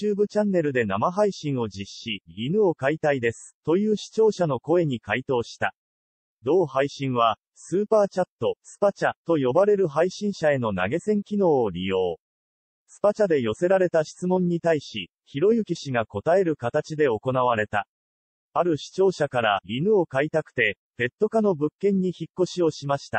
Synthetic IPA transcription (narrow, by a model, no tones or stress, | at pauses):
t͡ɕɨːbɯ̟t͡ɕãnːe̞ɾɯ̟d̪e̞namaɦaiɕĩɰ̃o̞d͡ʑiɕːiɾʲinɯ̟o̞kait̪aid̪e̞sɨ̥t̪o̞jɯ̟ːɕi̥t͡ɕo̞ːɕano̞ko̞e̞ɲ̟ikait̪o̞ːɕi̥t̪a | d̪o̞ːhaiɕĩɰ̃βa | sɨːpaːt͡ɕat̪ːo̞sɨ̥pat͡ɕat̪o̞jo̞baɾe̞ɾɯ̟ɦaiɕĩɰ̃ɕae̞no̞na̰ɡe̞sẽ̞ŋkʲino̞ːɾʲijo̞ː | sɨ̥pat͡ɕad̪e̞jo̞se̞ɾaɾe̞t̪aɕi̥t͡sɨmõ̞ɲ̟ːit̪aiɕḭ | çiɾo̞jɯ̟kʲiɕiɡako̞t̪ae̞ɾɯ̟kat̪at͡ɕid̪e̞o̞ko̞naβ̞aɾe̞t̪a | aɾɯ̟ɕi̥t͡ɕo̞ːɕakaɾaɾʲinɯ̟o̞kait̪akɯ̟̥t̪e̞pe̞t̪ːo̞kano̞bɯ̟kːẽ̞ɲ̟ːiçikːo̞ɕio̞ɕimaɕi̥t̪a̰